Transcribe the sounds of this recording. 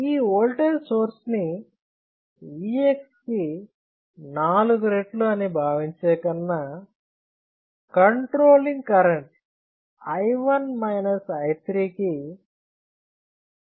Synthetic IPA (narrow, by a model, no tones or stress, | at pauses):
iːoːlʈɐɾsoːɾsni | iːekski | naːluɡuɾeʈluɐnibʱaːʋiɲt͡ʃɛːkɐnːɐ | kɐɳʈɾoːliŋɡkɐɾeɳʈ | ɐjʋɐnmɐjnɐsɐjt̪ɾiːki